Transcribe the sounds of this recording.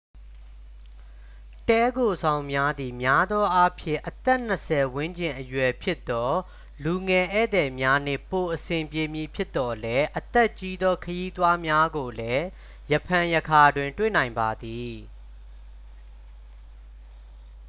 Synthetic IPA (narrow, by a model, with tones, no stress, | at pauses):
tɛ˦ɡo˨zʰã˨ʊ̃mja˦d̪i˨mja˦d̪ɔ˦ʔa˦pʰjɪ̰̃˦˨ʔət̪ɛ˦ʔn̥əsʰɛ˨wɪ̃˦ɲd͡ʑɪ̃˨ʔəjwɛ˨pʰjɪ˦ʔt̪ːɔ˦ | lu˨ŋɛ˨ʔɛ̰˦˨d̪ɛ˨mja˦n̥ɪ̰̃˦˨po˨ʔəsɪ̃˨mpje˨mji˨pʰjɪ˦t̪ːɔ˨lɛ˦ʔət̪ɛ˦˨ʔt͡ɕi˦d̪ɔ˦kʰəji˦t̪wa˦mja˦ɡo˨lɛ˦ | jəpʰã˨jəkʰa˨dwɪ̃˨ntwḛ˦˨nã˨ɪ̃mba˨d̪i˨